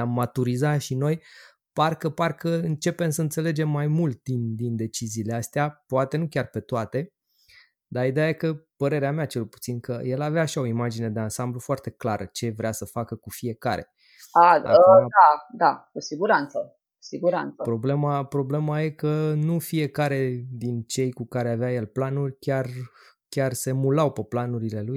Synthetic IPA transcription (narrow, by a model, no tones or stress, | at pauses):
amːat̪uɾizaʃino̞j | parkəparkəɨnt͡ʃe̞pe̞msəɨnt̪se̞le̞d͡ʒe̞mːajmult̪̚d̪ind̪ind̪e̞t͡ʃiziːleast̪eapoat̪e̞nukʲarpe̞t̪oat̪e̞ | d̪aid̪ejaje̞kəpəɾe̞ɾeameat͡ʃe̞lpu̥t̪sinkəje̞laveaːʃao̞imad͡ʒine̞d̪e̞ansamblufoart̪e̞klaɾət͡ʃe̞vɾeasəfakəkufie̞ka̰ɾe̞̰ | a̰əad̪ad̪akusiɡuɾant̪sə | ku̥siɡuɾa̰nt̪səpɾo̞ble̞mapɾo̞ble̞maje̞kənufie̞kaɾe̞d̪int͡ʃe̞jkukaɾe̞aveaje̞lplanurʲkʲar | kʲarse̞mulawpeplanuɾile̞luj